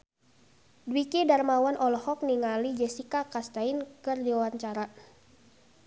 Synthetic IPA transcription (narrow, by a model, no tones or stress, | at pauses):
dwikidarmawanʔɔlɔhɔk̚niŋalid͡ʒɛsikakast̪ainkɨrdiwawaɲt͡ʃaɾa